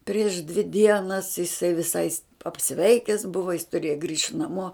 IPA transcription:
pʲrʲiɛʃ dʲʋʲɪ ˈdʲiɛnɐs jɪˈsɐɪ ʋʲɪˈsɐɪ ɐpʲˈsʲʋʲɛɪkʲɛs ˈbʊʋɐ jɪs tʊˈrʲiɛjɛ ɡrʲiːʃt nɐˈmuɔ

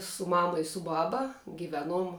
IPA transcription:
sʊ ˈmɑːmɐ ɪ sʊ ˈbɑːbɐ ɡʲɪˈʋʲæːˌnuɔm

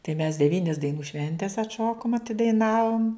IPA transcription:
tɐɪ mʲɛs dʲɛˈʋʲiːnʲɪs dɐɪˈnuː ˈʃʲʋʲɛnʲtʲɛs ɐtˈʃoːkoːm ɐtʲɪdɐɪˈnɑːʋoːm

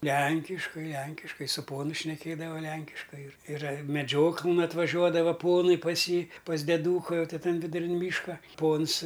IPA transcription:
ˈlʲæŋʲkʲɪʃkɐɪ ˈlʲɛŋʲkʲɪʃkɐɪ sʊ ˈpoːnʊ ʃʲnʲɛˈkʲeːdɐʋɐ ˈlʲɛŋʲkʲɪʃkɐɪ ɪr ɪˈrɐ mʲɛˈd͡ʒʲoːklˠɘn ɐtʋɐˈʒʲuɔdɐʋɐ ˈpoːnɐɪ pɐs ˈjiː pɐs dʲɛˈduːkɐ jɛʊ ˈtʲiː ˈtɐn ʋʲɪdʊˈrʲɪn ˈmʲiːʃkɐ ˈpoːns

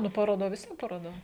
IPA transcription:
ˈnʊ pɐroːˈdɐ ʋʲɪs ˈʋʲiɛn pɐroː dɐ

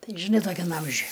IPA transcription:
ˈtɐɪ ʒʲɪˈnɐɪ toːˈkʲɛm ˈɐmʲʒʲʊj

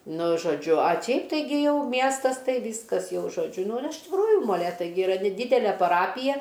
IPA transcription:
ˈnʊ ʒoːˈd͡ʒʲʊ ɐ ˈt͡ʃʲɛɪp tɐɪˈɡʲɪ ˈjɛʊ ˈmʲiɛstɐs ˈtɐɪ ˈʋʲiːskɐs ˈjɛʊ ʒoːˈd͡ʒʲʊ nʊ ɪr ɪʃ tʲɪkˈruːjʊ moːˈlʲeːtɐɪ ɡʲɪ ɪˈrɐ nʲɛˈdʲiːdʲɛlʲɛ pɐˈrɑːpʲɪjɛ

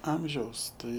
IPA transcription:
ˈɐmʲʒʲɛʊs ˈtɐɪ

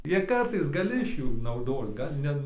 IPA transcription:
ˈjiɛ ˈkɐrtɐɪs ɡɐˈlʲɪ ɪʃ ˈjuː nɐʊˈdoːs ˈɡɐlʲ nʲɛ

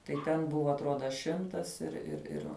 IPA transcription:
tɐɪ ˈtʲɛn ˈbʊʋɐ ɐtˈroːdɐ ˈʃʲɪmtɐs ɪr ɪr ˈɪr

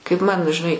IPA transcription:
kɐɪp mɐn ʒʲɪˈnɐɪ

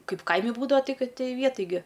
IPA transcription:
ˈkɐɪp ˈkɐɪmʲɪ ˈbuːdɐʋɐ ˈtʲɪ ˈkɐt tʲɪ ˈʋʲiɛˈtɐj ɡʲɪ

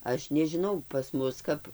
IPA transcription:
ˈɐʃ nʲɛʒʲɪˈnɐʊ pɐs ˈmʊs kɐp

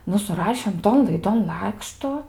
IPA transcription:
ˈnʊ sʊˈrɑːʃʲeːm ˈtoːn lˠɐɪˈdoːn ˈlˠɑːkʃtʊ

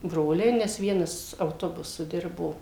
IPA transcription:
ˈbroːlʲɛɪ nʲɛs ˈʋʲiɛnɐs ɐʊˈtoːbʊsʊ ˈdʲɪrboː

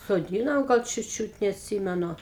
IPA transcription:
soːˈdʲiːnoːmʲɛ ˈɡɐlˠ ˈt͡ʃʲuːt ˈt͡ʃʲuːt nʲɛɐtʲˈsʲiːmʲɛnʊ

